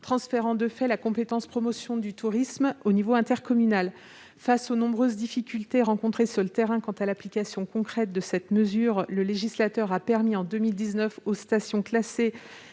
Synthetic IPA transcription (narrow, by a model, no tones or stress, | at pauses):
t̪χɑ̃sfeʁɑ̃d̪əfɛlakɔ̃pet̪ɑ̃spχɔmɔsjɔ̃d̪yt̪uʁismonivoɛ̃t̪ɛʁkɔmynal | fasonɔ̃bʁøzd̪ifikʲylt̪eʁɑ̃kɔ̃t̪χesyʁlət̪eʁɛ̃kɑ̃t̪alaplikʲasjɔ̃kɔ̃kχɛt̪̚d̪əsɛt̪məzyʁləleʒislat̪œʁapɛʁmiɑ̃d̪ømild̪iznœfost̪asjɔ̃klase